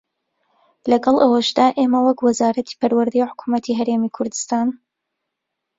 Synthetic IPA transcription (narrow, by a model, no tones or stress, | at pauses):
lɐɡɐlˠʔɐwɐʃd̪aːʔeːmɐwɐkwɐzaːɾɐt̪ʰi̥pɐɾwɨɾd̪ejħʊ̥kʰumɐt̪ʰiɦɐɾeːmikʰʊɾd̪ɨ̥st̪aːn